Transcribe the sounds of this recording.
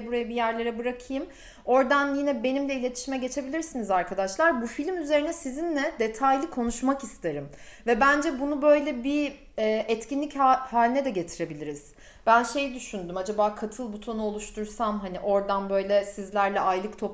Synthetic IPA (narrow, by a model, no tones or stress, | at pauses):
buɾajabijæɾlʲe̞ɾɛbɯɾakʰɯjɯm | o̞ɾd̪anjinɛbe̞nimlʲɛilʲe̞t̪ʰi̥ʃimɛɟe̞t͡ʃʰe̞bilʲiɾsinizaɾkʰad̪aʃlˠaɾbufilʲmyze̞ɾinɛsizinlʲɛd̪e̞t̪ʰajlʲikʰo̞nuʃmakist̪ʰeɾɯmvɛbænd͡ʒɛbunubø̞jlʲɛbi | ɛːʔɛt̪cʰinlʲichhaːlʲinɛd̪ɛɟet̪ʰiɾe̞bilʲiɾiz̥ | b̥ænʃe̞jid̪yʃynd̪ymad͡ʒabaːkʰat̪ʰɯlˠbut̪ʰo̞nuo̞lˠuʃt̪ʰuɾsamɦaniʔo̞ɾd̪anbø̞jlʲɛsizlʲæɾlʲɛʔajlˠɯkt̪ʰo̞p